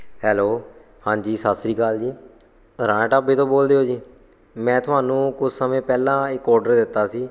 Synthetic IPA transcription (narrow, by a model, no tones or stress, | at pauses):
hɛːloː | hãːɲd͡ʒiːsaːsɾiːkaːld͡ʒiː | ɾãːʈaːbeːt̪õːboːld̪eːɦoːd͡ʒiː | mɛ̃ːt̪ʰʊaːnũːkʊsʰsəmẽːpɛːlãːɪkɔːɾɖəɾd̪ɪt̪ːaːsiː